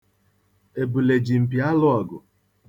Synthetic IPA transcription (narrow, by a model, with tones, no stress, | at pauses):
e˨bu˨le˨d͡ʒi˨m̩˨pi˨a˦lʊ˦ɔ˨ɡʊ̰˨